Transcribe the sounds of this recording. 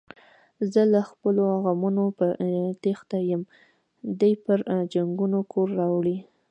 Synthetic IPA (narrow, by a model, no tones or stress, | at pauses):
zəlaxpəloaɣamunopət̪ext̪ajəm | d̪ajpəɾd͡ʒaŋɡunokʰoɾːɑwɽi